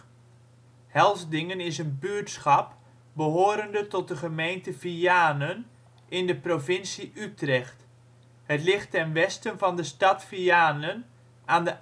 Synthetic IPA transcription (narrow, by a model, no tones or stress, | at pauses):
hɛlˠzdɪŋənɪsənbyəɹtsχɑp | bəɦoːɾəndətɔt̚dəχəmejntəviaːnən | ʔɪndəprovɪnsiʔytrɛxt | hətlɪχtɛnʋɛstənvɑndəstɑtfiaːnən | aːndə